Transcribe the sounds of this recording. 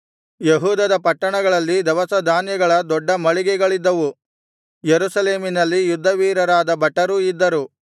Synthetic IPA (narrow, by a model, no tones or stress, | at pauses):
jeɦuːd̪ɐd̪ɐpɐʈːɐɳɐɡɐɭɐlːid̪ɛʋɐsɐd̪ʱaːnjɐɡɐɭɐd̪ɔɖːɐmɐɭiɡɛɡɐɭid̪ːɐʋu | jeɾusɐle̞ːminɐlːijud̪ʱːɐʋiːɾɐɾaːd̪ɐbɐʈːɐɾuid̪ːɐɾu